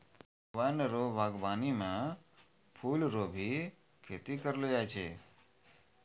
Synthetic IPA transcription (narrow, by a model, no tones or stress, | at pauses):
b | ʋanəɾobʱaɡbanimã | pʰulɾobʱi | kʰet̪ikəɾlod͡ʒajt͡ʃʰḛ